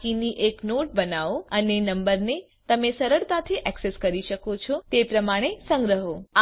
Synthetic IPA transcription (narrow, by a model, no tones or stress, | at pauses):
kiniʔeknoʈ̚bənaʋoənenəmbəɾne | t̪əmesəɾəɭt̪at̪ʰiʔɛkseskəɾiʃəkot͡ʃʰɔt̪epɾəmaɽ̃esə̃ŋɡɾəɦoa